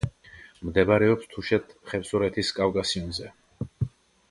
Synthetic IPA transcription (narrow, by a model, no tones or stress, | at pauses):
md̪ɛbaɾɛɔpst̪ʰuʃɛt̪ʰχɛpsɔɾɛt̪ʰiskʼavkʼasiunzɛ